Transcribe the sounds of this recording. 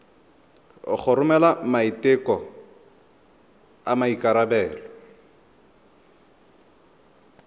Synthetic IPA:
χʰʊɾʊmɛlamaitɪkɔ | amaikaɾabɛːlɔ

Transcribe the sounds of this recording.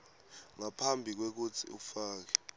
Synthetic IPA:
ŋapʰambʱik̬wek̬ut͡sʰḭṵfaːk̬ɛ̥

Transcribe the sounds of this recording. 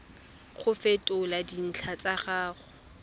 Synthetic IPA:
χʊfɛtʼʊladin̩t͡ɬʰat͡sʼaχaːχʊ

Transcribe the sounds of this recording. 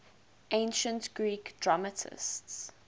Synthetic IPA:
ʔẽɪ̃nʃə̃ntɡ̥ɹiːkdɹɔmətʰɪ̰sts

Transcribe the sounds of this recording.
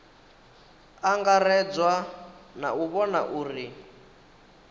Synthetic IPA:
aŋɡarɛd͡zwana̰uβɔna̰ʔuːri

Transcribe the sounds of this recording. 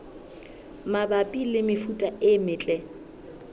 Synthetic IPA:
mabapʼilɪmɪfutʼaɪmɪːt͡ɬʼɛ

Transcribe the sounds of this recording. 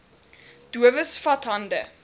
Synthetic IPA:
d̥uəvəsfɐtɦɐndə

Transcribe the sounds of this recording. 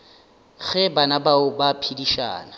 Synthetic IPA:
ɣɛbanabaʊbapʰidiʃa̰ːna

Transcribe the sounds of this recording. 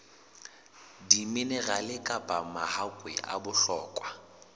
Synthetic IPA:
dimɪnɛɣalɪkʼapʼamahakʼwɛ̰ʔa̰bʊɬɔːkʼwa

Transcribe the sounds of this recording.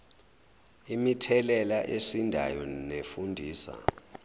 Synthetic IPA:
imitʰɛlɛlaʔesindʱa̰jɔnefundʱiːsa̰

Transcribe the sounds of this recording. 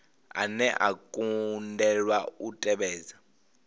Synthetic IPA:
a̰nɛʔakʼundɛlwautʼɛɓɛːza

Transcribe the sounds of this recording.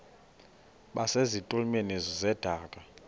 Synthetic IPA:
ɓasezitʼulmenezɔzɛd̥ʱaːkʼa

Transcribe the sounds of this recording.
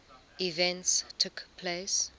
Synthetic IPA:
ivɛ̃ntstʰʊkpʰles

